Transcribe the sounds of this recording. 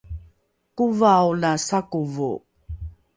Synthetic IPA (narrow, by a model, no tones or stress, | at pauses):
kuvaulasakuvṵ